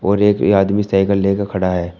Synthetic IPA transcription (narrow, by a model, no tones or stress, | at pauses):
ɔːɾeːkaːd̪misaːɪkəlːeːkakʰɐɽaɦɛː